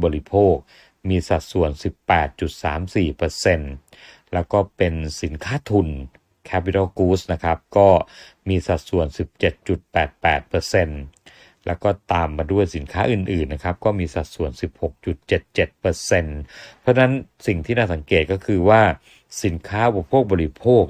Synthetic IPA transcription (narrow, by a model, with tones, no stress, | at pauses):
bɔː˧li˦˥pʰoː˥˩k̚ | miː˧sa˨˩t̪̚su˨˩ənsi˨˩pːɛː˨˩t̪̚t͡ɕu˨˩t̪̚saː˩˦msiː˨˩pɤ˧se˧n | lɛː˦˥wkɔː˥˩pe˧nsi˩˦nkʰaː˦˥t̪ʰu˧n | kʰɛ˦˥pi˧t̪ʰa˥˩kuː˦˥sna˦˥kʰa˦˥p̚kɔː˥˩miː˧sa˨˩t̪̚su˨˩ənsi˨˩p̚t͡ɕe˨˩t̪̚t͡ɕu˨˩t̪̚pɛː˨˩t̪̚pɛː˨˩t̪̚pɤː˧se˧n | lɛ̰˦˥wkɔː˥˩t̪aː˧mːaː˧du˥˩əjsi˩˦nkʰaː˦˥ʔɯː˨˩nʔɯː˨˩nːa˦˥kʰa˦˥p̚kɔː˥˩miː˧sa˨˩t̪̚su˨˩ənsi˨˩p̚ho˨˩k̚t͡ɕu˨˩t̪̚t͡ɕe˨˩t̪̚t͡ɕe˨˩t̪̚pɤ˧se˧npʰɾɔ˦˥na˦˥nsi˨˩ŋt̪ʰiː˥˩naː˥˩sa˩˦ŋkeː˨˩t̪̚kɔː˥˩kʰɯː˧waː˥˩ | si˩˦nkʰaː˦˥ʔu˨pa˧pʰoː˥˩k̚bɔː˧li˦˥pʰoː˥˩k̚